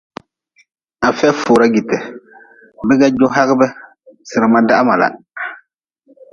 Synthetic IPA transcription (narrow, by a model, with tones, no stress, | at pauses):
a˨fɛ˦fʊː˨ɾa˦ɡi˨tɛ˨ | bɪ˦ɡa˦d͡ʒo˦ɦa˦ɣɨ˦bɛ˦ | sɪ˨ɾɨ˨ma˦da˦ma˨la̰˨